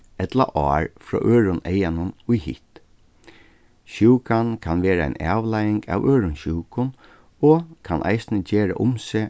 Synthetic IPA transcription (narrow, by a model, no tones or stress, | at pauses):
ɛt̪la̰ʔɑːɹfɾɔ̰ːʔøːɹʊnɛjanʊnʊjhɪ̰ht̪ | ɕuwkankʰanʋeːɾaa̰ɪnæːʋlajɪŋka̰ʋøːɾʊnɕuːkʊn | ɔkʰanʔa̰ɪsnəd͡ʑeːɾa̰ʔʊmse